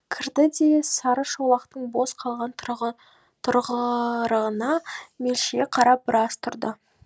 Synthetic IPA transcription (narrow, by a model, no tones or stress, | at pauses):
kʲʰɪɾd̪ɪd̪e̞sɑɾəʃowlˠɑqt̪əɴbo̞sqʰɑlˠʁɑn | t̪ʰʊɾʁəɾəʁənɑme̞lʃʲeqʰɑɾɑbɪɾɑst̪ʰʊɾd̪ə